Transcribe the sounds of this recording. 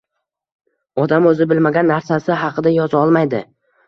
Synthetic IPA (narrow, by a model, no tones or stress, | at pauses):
ɒd̪amɵzɪbɪlmaɡʲanːaɾsasɪɦɑqʰɨd̪ajɒzɒlˠmajd̪ɪ